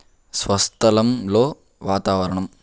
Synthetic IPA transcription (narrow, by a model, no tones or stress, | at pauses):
sʋɐst̪ʰɐlɐmloː | ʋaːt̪aːʋɐɾɐɳɐm